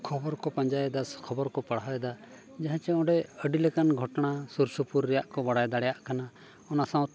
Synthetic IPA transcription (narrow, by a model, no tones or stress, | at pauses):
kʰɔbɔɾkɔpaɲd͡ʒajɛd̪askʰɔbɔɾkɔpaɽajɛd̪a | d͡ʒaɦãt͡ʃɛɔ̃ɖɛəɖilɛkanɡʱɔʈɔnasuɾsupuɾːɛjaʔkɔbaɽajd̪aɽɛjaʔkana | ɔnasãw̪̃